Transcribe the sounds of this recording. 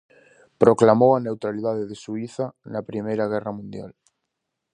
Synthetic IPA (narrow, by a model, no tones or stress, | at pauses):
pɾoklamowanewt̪ɾaliðaðeðesuiθanɐpɾimejɾaɣ̞ɛramũnd̪ja̰l